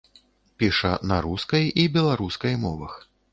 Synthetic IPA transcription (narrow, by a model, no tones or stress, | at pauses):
pʲiʂɐnɐɾuskɐjibʲɛlˠaɾuskɐjmɔvɐx